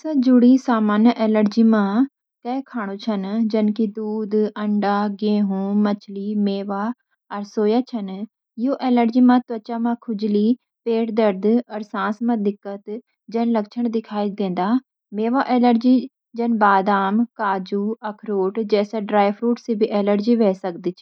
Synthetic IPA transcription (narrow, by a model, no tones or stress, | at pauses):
sãːd͡ʒʊɽiːsaːmaːnʔɛːləɾd͡ʒiːmãː | kɛːkʰaːɽ̃oːt͡ʃʰənd͡ʒənkid̪uːd̪əɳɖaːɡẽːɦũːmət͡ʃʰliːmeːʋaː | əɾsoːjaːt͡ʃʰən | ɪoːʔɛːləɾd͡ʒiːmãːt̪ət͡ʃaːmãːkʰʊd͡ʒliː | peːʈd̪əɾd̪əɾsãːsmãːd̪ɪkːət̪ | d͡ʒənləkt͡ʃʰəɳd̪ɪkʰaːid̪ẽːnd̪aː | meːʋaːʔɛːləɾd͡ʒiː | d͡ʒənbaːd̪aːmkaːd͡ʒuːəkʰɾoːʈd͡ʒɛːsaːɖɾaːjʋɾuːʈsiːbʱiːʔɛːləɾd͡ʒiːʋɛːsək̚d̪iːt͡ʃʰː